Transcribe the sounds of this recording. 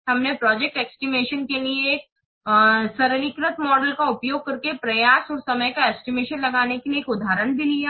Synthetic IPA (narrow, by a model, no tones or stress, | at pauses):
ɦɐmnepɾɔːd͡ʒek̚ʈɛksʈimeːʃənkelieːk̚ | sɐɾnikɾət̪mɔːɖəlkaʊpjoːɡ̚kɐɾkepɾɐjaːsɔːɾsɐməjkaɛːsʈimeːʃənlɐɡaːnekilieːkʊd̪ʱaːɾənbʱilijaː